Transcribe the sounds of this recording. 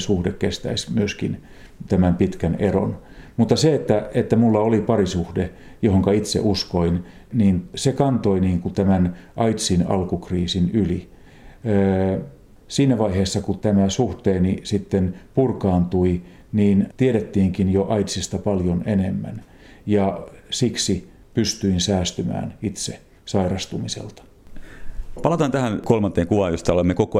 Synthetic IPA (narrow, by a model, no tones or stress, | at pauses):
suhdekkest̪æ̰ismyøskin | t̪æmæmpit̪kænero̰n | mut̪ːɑseet̪ːæet̪ːæmulːɑolipɑrisuhde | johoŋkɑit̪sḛʔuskoin | niːnsekɑnt̪oiniːŋkut̪æmænʔɑit̪sinɑ̰lkukriːsinyliː | siːnæʋɑiheːsːɑkut̪æmæsuht̪eːnisit̪ːenpurkɑːnt̪ui | niːnt̪ieɾet̪ːiːŋkinjoʔɑit̪sist̪ɑpɑljonenemːæ̰n | jɑsiksi | pyst̪yinsæːst̪ymæ̰ːnit̪se | sɑirɑst̪umisḛlt̪ɑ̥ | pɑlɑt̪ɑːnt̪æhænkolmɑnt̪ˑeːŋkuʋɑːjost̪ɑolemːekoko